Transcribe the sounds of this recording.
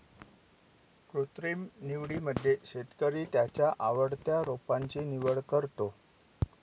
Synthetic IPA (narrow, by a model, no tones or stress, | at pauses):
kɾut̪ɾimniʋɽiməd̪ʱːjeɕet̪kəɾiːt̪jat͡ɕjaʔaʋəɽt̪jaɾopaɲt͡ɕiːniʋəɭkəɾt̪o